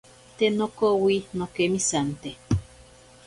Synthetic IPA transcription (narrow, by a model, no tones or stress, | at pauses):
t̪enokowinokemisant̪e